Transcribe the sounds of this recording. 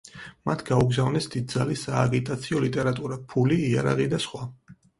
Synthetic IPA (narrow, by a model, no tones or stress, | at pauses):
mat̪ʰɡauɡzavnɛsd̪id̪̚d̪zalisaːɡit̪ʼat̪sʰiɔlit̪ʼɛɾat̪ʼuɾapʰuliːa̰ɾa̰ʁid̪asχwa